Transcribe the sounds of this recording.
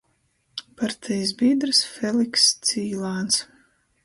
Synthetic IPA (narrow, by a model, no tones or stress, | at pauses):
paɾt̪ʰɛjs̬biːd̪ɾɨsfɛlikst̪siːlˠaːns